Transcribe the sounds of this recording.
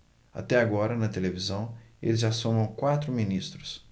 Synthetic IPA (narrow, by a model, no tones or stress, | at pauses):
a̰t̪ɛaɡɔɾɐnɐt̪elevizɐ̃w̃elɪzasõmɐ̃w̃kwat̪ɾʊminist̪ɾʊs